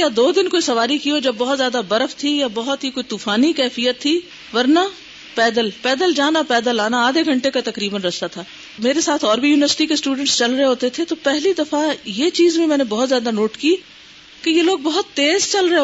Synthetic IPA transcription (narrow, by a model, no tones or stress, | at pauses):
jad̪oːd̪ɪnkoːisɐʋaːɾikiod͡ʒɐbːɐɦʊt̪zjaːd̪abɐɾəft̪ʰijabɐɦʊt̪ɦikoːit̪uːfaːnikɛːfijət̪ʰːi | ʋɐɾna | pɛːd̪əlpɛːd̪əld͡ʒaːnapɛːd̪əlaːnaaːd̪ʱeɡʱɐ̃ɳʈekat̪ɐkɾiːbənɾɐst̪at̪ʰaː | meːɾesaːt̪ʰɔːɾbʱijuːnɪʋəɾsɪ̥ʈikesʈuːɖə̃ɳʈst͡ʃɐlɾɐɦeɦoːt̪et̪ʰet̪opɛɦlid̪ɐfajet͡ʃiːzmẽmɛ̃ːnebɔɦʊt̪zjaːd̪anoːʈki | kejeloːɡ̚bɐɦʊt̪ːeːzt͡ʃɐlɾɐɦe